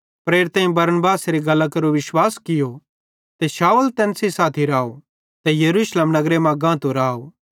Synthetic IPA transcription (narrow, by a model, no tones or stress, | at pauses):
pɾeːɾt̪ãːĩbɐɾnbaːsɾiɡɐlakɐɾoʋɪʃwaːskɪjo | t̪eʃaːult̪ɛːnsisaːt̪ʰiɾaːo | t̪ejɐɾuːʃleːmnɐɡɾemãɡãːt̪oɾaːo